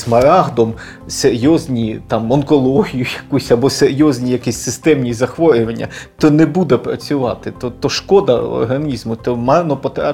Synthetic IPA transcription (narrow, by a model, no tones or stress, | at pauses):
smɐɾɑɦd̪ɔm | seɾʲjɔzʲnʲit̪ɑmɔnkɔlˠɔɦʲijʊjɐkusʲɐbɔseɾʲjɔzʲnʲijɐkisʲsɪst̪ɛmnʲizɐxʋɔɾʲʊʋɐnʲːɐ̰t̪ɔnɛbud̪ɛpɾɐ̰t͡sʲʊʋɑ̰t̪ɪt̪ɔt̪ɔʃkɔd̪ɐ̰ɔ̰rɦɐnʲizmʊt̪ɔmɑrnɔpɔt̪ɾɑ